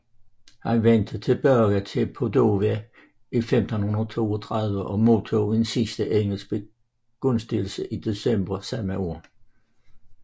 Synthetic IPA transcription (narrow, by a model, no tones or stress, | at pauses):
hænʋen̰d̥ət͡sʰe̝lb̥ɶɐɡ̥ət͡sʰe̝pʰo̝d̥o̝ːʋæ | ifemd̥n̩hunɐt͡sʰo̝̰ːɒt͡sʰʁɑ̈ðˠʋəʔɒ̽mo̝t͡sʰoensisd̥əʔeŋ̰l̩sɡ̥̚b̥e | ɡ̥ɔ̽nsd̥il̩səʔid̥e̝semb̥ɐsæmæo̝ː